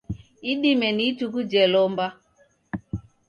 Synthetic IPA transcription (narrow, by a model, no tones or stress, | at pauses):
iɗimɛnitukud͡ʒɛlɔmba